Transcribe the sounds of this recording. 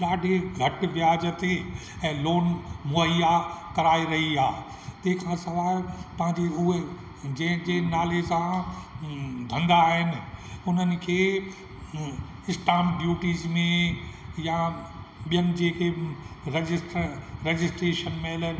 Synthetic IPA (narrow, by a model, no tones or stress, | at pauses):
ɗaːɖʱeɡʱɐʈʋjaːd͡ʑət̪e | ɛ̃ːloːnmʊəjakɐɾaːiɾɐɦiaː | t̪eɦkʰãsɐʋaːlpɐ̃ɦɪ̃ɲd͡ʑeʊɦe | d͡ʑɛ̃ɦd͡ʑeːnaːlesã | d̪ʱɐ̃nd̪aːɦɪnɪ̆ʊn̤ənɪ̆kʰeː | ɪsʈaːmɖjuːʈiːzmẽja | ɓijənɪ̆d͡ʑeːkʰeɾed͡ʑɪsʈɾeːd͡ʑɪsʈɾeːʃənmẽlə